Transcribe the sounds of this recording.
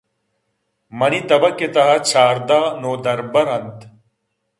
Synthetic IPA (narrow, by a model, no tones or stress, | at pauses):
mɐnit̪ɐbɐket̪ɐɦɐt͡ɕʰaːɾd̪aːnoːd̪ɐɾbɐɾɐnt̪